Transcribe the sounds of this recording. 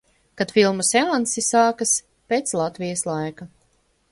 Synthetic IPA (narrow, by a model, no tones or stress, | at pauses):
kat̪filˠmusɛansisaːkas | peːt̪slˠat̪vijaslˠajka